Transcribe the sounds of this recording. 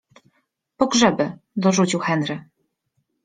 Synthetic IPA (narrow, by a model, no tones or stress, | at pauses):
pɔɡʐɛbɘd̪ɔʐut͡ɕiwxɛnɾɘ